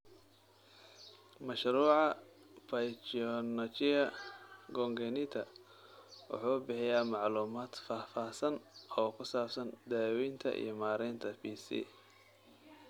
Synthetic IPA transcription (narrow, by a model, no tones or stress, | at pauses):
mɐʃɾuːʕɑ | pɐjt͡ʃɔnɐt͡ʃɪɐɡɔŋɡɛnɪt̪ʰɐ | wʊ̰ħuːbɪħɪjaːmɑʕluːmaːd̪̥faːfaːsɐnɔːkʰʊsaːbsɐnd̪aːwijnt̪ʰɐ̰ʔḭjɔmaːɾɛːnt̪ʰɐpiːsḭː